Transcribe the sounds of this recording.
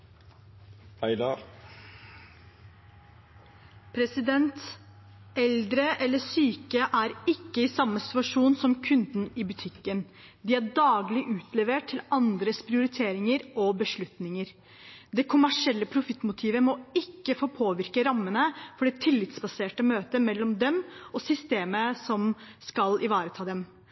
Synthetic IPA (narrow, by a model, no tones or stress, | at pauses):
æɪd̪ɑ | pʰɾɛsɪd̪ɛnt̪ | ɛld̪ɾəʔɛlːəsyːkəʔæɾɪkːəɪsɑmːəsɪ̥t̪ʉɑʂuːnsɔmkʰʉnd̪nɪbʉt̪ʰɪkːən | d̪ɪæɖɑːɡlɪʔʉːt̪ʰlɛʋeːʈʈʰtʰːɪlɑnd̪ɾəspʰɾɪʊɾɪt̪ʰeːɾɪŋəɾɔbəʂɭʉt̪nɪŋəɾ | d̪ɛkʰʊmæʂɪɛlːəpʰɾʊfɪt̪ːmʊt̪ʰiːʋəmɔɪkːəfoːpʰoːʋɪɾkəɾɑmːənəfɔɖɛt̪ʰɪlːɪt̪sbɑseːʈəmøːt̪əmɛlːɔmd̪ɛmɔsʏst̪eːməsɔmskɑlɪʋɑːɾət̪ʰɑːd̪ɛm